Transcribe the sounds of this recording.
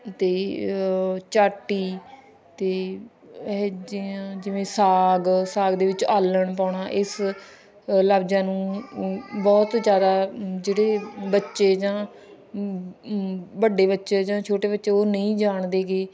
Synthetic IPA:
t̪eː | t͡ʃaːʈiː | t̪eː | ɛd͡ʒiãːd͡ʒɪʋẽːsaːɡsaːɡd̪eːʋɪt͡ʃaːləɳpaːɳaːʔɪs | laːbd͡ʒãːnũː | bɔːt̪d͡ʒjaːd̪aːd͡ʒeːɽeːbətːʃeːd͡ʒãː | bəɖeːbətːʃeːd͡ʒãːt͡ʃʰoːʈeːbətːʃeːoːnəĩːd͡ʒaːɳd̪eːɡeː

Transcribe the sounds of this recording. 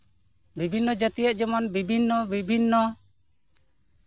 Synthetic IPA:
bibʱinːɔd͡ʒat̪ijət̪̚d͡ʒɔmɔnbibʱinːɔbibʱinːɔ

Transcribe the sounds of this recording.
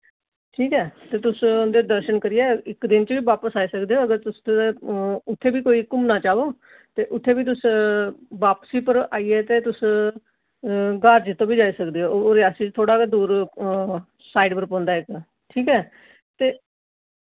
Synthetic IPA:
ʈʰiːkɛːt̪eːt̪ʊsʊnd̪eːd̪əɾʃənkəɾɪjɛːɪkd̪ɪnt͡ʃʋiːʋaːpəsaːiːsəkd̪eːɦoːəɡəɾt̪ʊst̪ː | ʊt̪ʰːeːbiːkoːiːkʊmnaːt͡ʃaːʋoː | t̪eːʔʊt̪ʰːeːbiːt̪̬ʊs | ʋaːpsiːpəɾaːiːɛːt̪eːt̪ʊs | ɡaːɾd͡ʒt̪ːõːbiːd͡ʒaːiːsəkd̪eːɦoːɾɪjaːsiːt͡ʃt̪ʰoːɽaːkad̪uːɾ | saːiɖpəɾpɔ̃ːnd̪aːɪk | ʈʰiːkɛː | t̪eː

